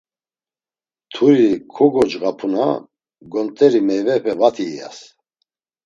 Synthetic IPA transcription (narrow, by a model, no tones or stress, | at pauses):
t̪ʰuɾikʰɔɡɔd͡ʒɣapʰuna̰ | ɡɔnt̪ʼɛɾimɛjvɛɸɛvat̪ʰiːja̰s